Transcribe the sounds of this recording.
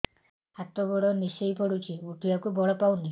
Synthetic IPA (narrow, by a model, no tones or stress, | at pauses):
at̪ɔbɔɽɔnisejpɔɽut͡ʃʰiuʈiakubɔɭɔpawni